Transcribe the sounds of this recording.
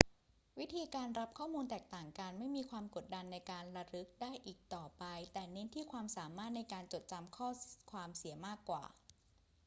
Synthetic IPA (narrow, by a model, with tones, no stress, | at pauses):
wi˦˥t̪ʰiː˧kaː˧nɾa˦˥p̚kʰɔː˥˩muː˧nt̪ɛː˨˩k̚t̪aː˨˩ŋkaː˧nma˥˩jmiː˧kʰwaː˧mko˨˩t̪̚da˧nːa˧jkaː˧nɾa˧ɾɯ˦˥k̚daː˥˩jʔiː˨˩k̚t̪ɔː˨˩pa˧jt̪ɛː˨˩ne˦˥nt̪ʰiː˥˩kʰwaː˧msaː˩˦maː˥˩t̪̚na˧jkaː˧nt͡ɕo˨˩t̪̚t͡ɕa˧mkʰɔː˥˩kʰwaː˧msi˩˦ɐmaː˥˩kːwa̰ː˨˩